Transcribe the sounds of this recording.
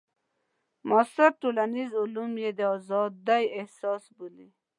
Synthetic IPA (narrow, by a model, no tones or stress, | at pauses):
mɔsaɾʈolanizulumjed̪eɔzɑd̪ːajehsɔːsbuli